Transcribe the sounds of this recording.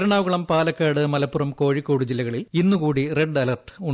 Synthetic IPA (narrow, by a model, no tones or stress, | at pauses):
ɾuɳaːʋɣuɭɐmpaːlɐkːaːɽɨmɐlɐpːurɐmko̞ːɻikːoːɽud͡ʑilːɐɣɐɭilinːukuːɽire̞ɖɐlɐrʈuɳ